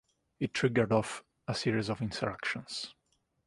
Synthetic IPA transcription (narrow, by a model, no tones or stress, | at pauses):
ɨtʰɹ̥ɪɡə˞dɔf | əsiɹizɔvɪ̃nsəɹakʃə̃ns